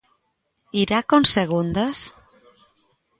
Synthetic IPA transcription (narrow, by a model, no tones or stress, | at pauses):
iɾakonseɣ̞und̪es